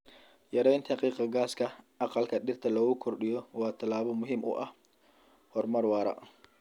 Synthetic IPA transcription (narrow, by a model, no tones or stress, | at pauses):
jɐɾɛjnt̪ʰɐhɑqiːqɑɡaːskʰɐʔɑqɑlkʰɐɗɪrt̪ʰɐlɔːɣʊkʰɔrɗɪjɔwɑːt̪ʰɐlaːβɔmʊɦimʔʊ̰ʔɐh | hɔrmɐrwɑːɾɐ̰